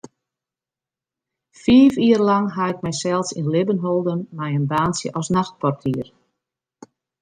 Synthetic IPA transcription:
fiːfiːrlɑŋɦaɪk̚mɛjsɛlˠsinlɪbənɦolˠdənmɛjənbaːnsjə̰ʔɔsnaxt̚pɔrtʰiər

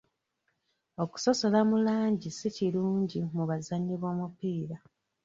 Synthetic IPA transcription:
o̞ku̥so̞so̞lamulaːɲɟisiciluːɲɟimuβazaɲːiβo̞ːmupiːɾa

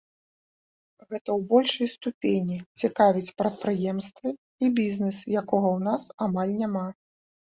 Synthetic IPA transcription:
ɣɛt̪ɐwbɔlʲʂɐjst̪upʲenʲit͡sʲikavʲit͡sʲpɾɐt̪̚pɾɨjɛmst̪vɨ | ibʲiznɨsjakɔɣɐwnasamalʲnʲama

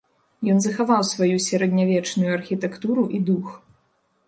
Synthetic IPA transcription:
jɔnzɐxavawsvajusʲɛɾɛd̪ʲnʲavʲɛt͡ʂnujuɐrxʲit̪ɛkt̪uɾuʔid̪ux

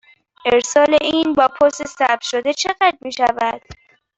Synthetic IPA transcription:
ʔeɾsɒːleʔiːnbɒːpʰost̪esæb̚t̪ʃo̞d̪e̞t͡ʃʰe̞ɣæd̪̚miːʃævæd̪̥

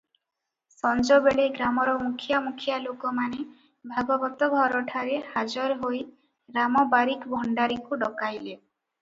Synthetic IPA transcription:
sɔnd͡ʒɔbeɭeɡɾamɔɾɔmukʰjamukʰjalokɔmane | bʱaɡɔbɔt̪ɔbʱɔɾɔʈʰaɾehad͡ʒɔɾɔɦoj | ɾamɔbaɾikbʱɔɳɖaɾikuɖɔkajle

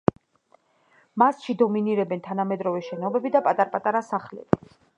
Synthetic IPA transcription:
masʃid̪ɔminiɾɛbɛnt̪ʰanamɛd̪ɾɔvɛʃɛnɔbɛbid̪apʼat̪ʼaɾpʼat̪ʼaɾasaχlɛ̰bi

